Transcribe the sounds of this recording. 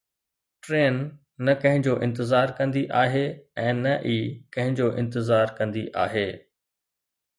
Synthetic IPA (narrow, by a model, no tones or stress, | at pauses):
ʈɾeːnː | ɐkɐ̃ɦɪ̃ɲd͡ʑoːʔɪ̃nt̪ɪzaːɾkɐ̃nd̪iʔaːɦeɛ̃ːnɐʔiːkɐ̃ɦɪ̃ɲd͡ʑoʔɪ̃nt̪ɪzaːɾkɐ̃nd̪iʔa̰ːɦeː